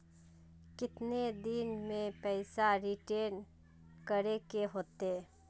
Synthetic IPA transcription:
kɪt̪ned̪ɪnmẽpɛɪsaɾiʈeːn | kəɾekeɦoːt̪eː

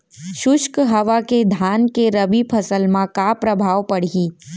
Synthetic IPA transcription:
ʃʊʃkɦɐʋaked̪ʱaːnkeɾəbipʰəsəlmãkapɾəbʱaːʋpəɽ̤iː

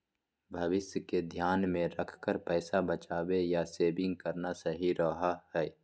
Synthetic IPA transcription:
bʱɐʋɪsjəked̪ʱjaːnmẽɾəkʰkəɾpɛːsabət͡ʃaːwejaseːbɪ̃ŋɡ̚kəɾnasɐɦiɾɔɦaɦɛː

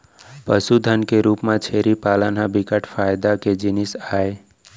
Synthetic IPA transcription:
pəsud̪ʱənkeɾuːpmãt͡ʃʰeɾipaːlənabikəʈfʰajd̪aked͡ʒɪnisaːe

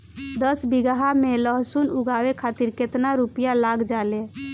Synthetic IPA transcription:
d̪əsbiɡaɦameləɦsunuɡawekʰat̪iɾket̪naɾupijalaɡd͡ʒale

